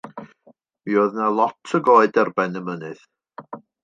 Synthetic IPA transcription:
mioːðnalˠɔtʰəɡoːɨdɛrbɛnəmənɨð

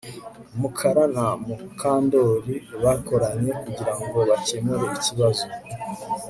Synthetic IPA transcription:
mukʰaɾanamukʰaːndo̞ɾiβako̞ɾaɲe̞kuɟiɾaŋɡo̞βaceːmuɾeiciβazo

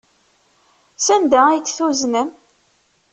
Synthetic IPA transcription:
sænd̪ææjt͡sːθuznəm

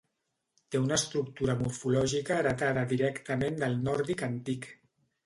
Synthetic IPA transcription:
t̪eunəst̪ɾuk̚t̪uɾəmuɾfulɔʒikəːɾət̪aðəðiɾɛkt̪əmend̪əlˠnɔɾðikənt̪ik

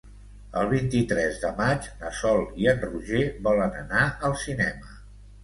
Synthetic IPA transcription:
ə̰lˠβint̪it̪ɾɛzðəmad͡ʒnəsɔlˠiənruʒeβɔlənə̰naəlˠsinɛmə

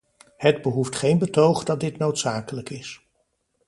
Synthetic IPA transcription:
həd̚bəɦuftχejnbətowχdɑt̚dɪtnowtsaːkələkɪs

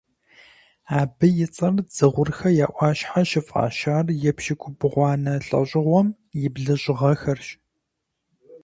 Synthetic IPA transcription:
aːbɨjɪt͡sʼɐrd͡zɨʁʷʊrxɐjaːʔʷɑːɕħaʃɪfʼa̰ːʃaːrjɛpʃɪkʷʰʊbɨʁʷɑːnɐɬʼɐ̰ɕʼɪʁʷɔm | jɪbɮɨɕʼɪʁɐxɐrɕ

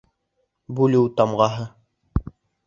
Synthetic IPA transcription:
bulɘwt̪ɑmʁɑɦɤ

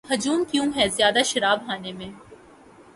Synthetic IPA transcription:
ɦɐd͡ʒuːmkjũɦɛzjaːd̪aʃɐɾaːbɦaːnemẽː

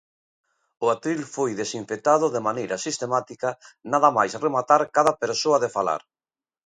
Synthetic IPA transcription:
ʊat̪ɾilfojðesiɱfet̪að̞ʊðemanejɾɐsist̪emat̪ikɐnaðɐmajsremat̪aɾkaðapeɾsoɐðefala̰ɾ

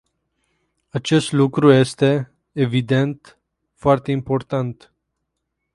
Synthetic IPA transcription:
at͡ʃe̞st̪lukɾuje̞st̪e̞ː | vid̪e̞nt̪ | foart̪e̞impo̞rt̪ant̪

